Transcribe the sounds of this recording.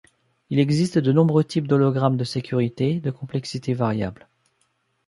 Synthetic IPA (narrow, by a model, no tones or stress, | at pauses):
ilɛɡzist̪d̪ənɔ̃bʁøt̪ʰip̚d̪ɔlɔɡʁamd̪əsekʲyʁit̪ed̪əkɔ̃plɛksit̪evaʁja̰bl